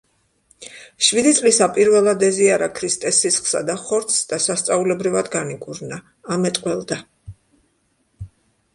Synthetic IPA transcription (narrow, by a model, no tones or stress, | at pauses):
ʃvid̪it̪sʼlisapʼiɾvɛlˠad̪ɛziaɾakʰɾist̪ʼɛsisχsa̰d̪aχɔɾt̪sd̪̥asast̪sʼaulɛbɾivad̪ɡaniɡʼuɾnaː | mɛt̪ʼqʼwɛlˠd̪a